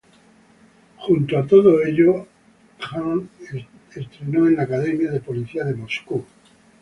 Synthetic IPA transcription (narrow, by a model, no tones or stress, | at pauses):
xunt̪oat̪o̞ð̞oe̞ʎo | xaŋ | est̪ɾe̞noenakaðe̞mjaðe̞poliθiaðe̞mo̞sku